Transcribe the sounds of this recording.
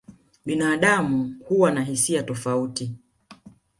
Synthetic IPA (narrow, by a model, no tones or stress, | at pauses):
ɓinaːɗamuhuwanaɦisiatɔfauti